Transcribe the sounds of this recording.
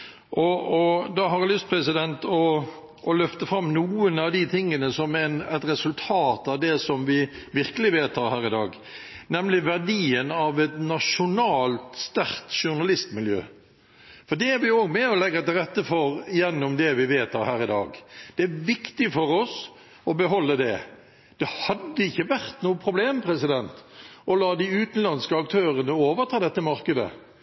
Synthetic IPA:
ʔɔɔd̪ɑɦɑɾlʏst̪pʰɾɛsɪd̪ɛnt̪ɔ | ɔlœft̪əfɾɑmːnuːənɑʋd̪ɪt̪ʰɪŋːənəsɔmɛnɛt̪ɾɛsʉlt̪ʰɑːt̪ɑʋd̪ɛsɔmʋɪʋɪɾkəlɪʋeːt̪ːɑɾhæːɾɪd̪ɑːɡ | nɛmlɪʋæʁdiːənɑʋɛt̪nɑʂʊnɑːlt̪st̪æɾt̪ʂʊnɑlɪst̪mɪljø̰ː | fɔd̪ɛæɾʋɪoːɡmɛɔlɛɡːɑt̪ɪlʁɛt̪ːəfɔɾɪjɛnːɔmd̪ɛʋɪʋeːt̪ʰɑːhæːɾɪd̪ɑːɡd̪̥ɛæʋɪkt̪ɪfɔɾɔs | ɔbəɦɔlːəd̪ɛ | d̪̥ɛhɑd̪ːəɪçːəʋæʁt̪nuːəpʰɾʊbleːmpʰɾɛsɪd̪ɛnt̪ɔlɑːd̪ɪʉːt̪n̩lɑnskəɑk̚t̪ʰøːʁənəoːʋəʁt̪ʰɑːd̪ɛt̪ːəmɑʁkəd̪ə̰

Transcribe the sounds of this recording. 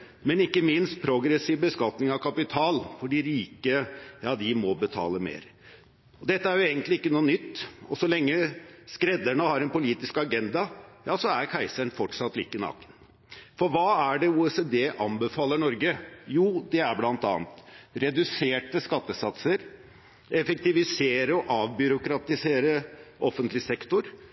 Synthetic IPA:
mɛnɪkːəmɪnst̪̚pʰɾʊɡɾɛsiːʋbəskɑt̪nɪŋɑʋkʰɑpɪt̪ʰɑːlfɔɖiːɾiːkəjɑːd̪ɪmɔbət̪ʰɑ̰ːləmḛːɾ | ɔd̪ɛt̪ːəæɾjʊeːɡənt̪lɪɪkːənuːənʏt̪ːɔsɔlɛŋːəskɾɛd̪æɳəhɑɾɛnpʊliːt̪ɪskɑɡɛnd̪ɑjɑːsɔæɾkʰæɪsəɳfɔʈʂɑt̪ːlḭːkənɑ̰ːkən | fɔɾʋɑːæɖɛuːɛsɛd̪eːʔɑnbəfɑːləɳɔɾɡəjuːd̪ɛæɾblɑnt̪ɑ̰ːnt̪ɾɛd̪ʉseːʈəskɑt̪ːəsɑt̪səɾ | ɛfɛk̚t̪ɪʋɪseːɾəɔʔɑːʋbʏɾʊkɾɑt̪ɪseːɾəʔɔfːənt̪lɪsɛkt̪ʊɾ

